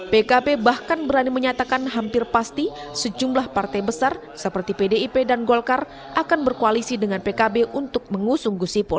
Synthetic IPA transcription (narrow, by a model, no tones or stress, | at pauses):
pekabebahkanbəɾaniməɲat̪akanɦampɪrpast̪isəd͡ʒumlahpart̪ajbəsar | səpərt̪ipedeipedanɡɔlkar | ʔakanbərkoalisidəŋanpekabeʔunt̪ʊk̚məŋusʊŋɡusipʊl